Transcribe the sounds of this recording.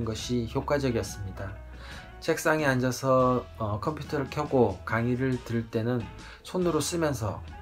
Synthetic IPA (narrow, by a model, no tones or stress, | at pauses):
nɡʌɕʰiçjok͈wad͡ʑʌɡijʌs͈ɯmɲida | t͡ɕʰe̞k̚s͈aŋiand͡ʑʌsʰʌʌkʰʌmpʰjutʰʌɾɯɭkʰjʌɡokaŋiɾɯɭtɯɭt͈e̞nɯn | sʰonɯɾos͈ɯmjʌns̬ʰʌ̰